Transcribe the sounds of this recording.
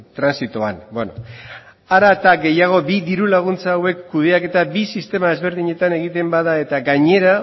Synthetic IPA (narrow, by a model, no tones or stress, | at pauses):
t̪ɾansit̪oanbeno | aɾat̪aɡe̞jaɣ̞o̞biðiɾulaɣ̞unt͡saːwe̞kːuð̞e̞ake̞t̪abisist̪e̞mae̞zβe̞ɾðiɲe̞t̪ane̞ɣ̞it̪e̞mbaðae̞t̪aɡaɲe̞ɾa